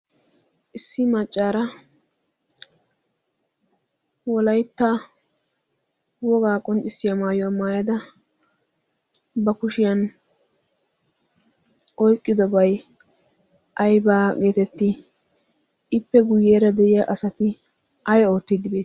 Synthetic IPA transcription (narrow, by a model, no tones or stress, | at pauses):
ʔɪsːɪmɐt͡ʃʼːaːɾɐ | wɔlɐjt̪ːa | wɔɡaːkʼɔnt͡ʃʼɪsːɪjamaːjɔwamaːjɐd̪ɐ | bɐkʊʃɪjɐn | ʔɔjkʼːɪd̪ɔbɐj | ʔɐjbaːɡe̞ːt̪ɛt̪ːɪ | ɪpːɛɡʊjːeːɾɐd̪ɛʔɪjɐʔɐsɐt̪ɪ | ʔɐjoːt̪ːɪd̪ːɪbeːt̪